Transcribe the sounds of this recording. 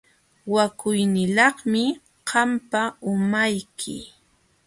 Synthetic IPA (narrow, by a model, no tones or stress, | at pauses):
wakʊjnɪlɑχmɪ | qɑmpaʊmajkʰɪ̰